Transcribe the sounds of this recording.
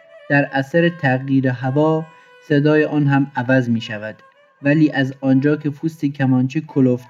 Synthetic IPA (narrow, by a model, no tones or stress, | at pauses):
d̪̥æɾʔæsæɾet̪ʰæɣjiːɾeɦævɒː | sed̪ɒːjeʔɒːnɦæmævæzmiːʃævæd̪̥ | væliːʔæzɒːnd͡ʒɒːkʰe̞fʰuːst̪ekʰæmɒːnt͡ʃʰiːkʰolof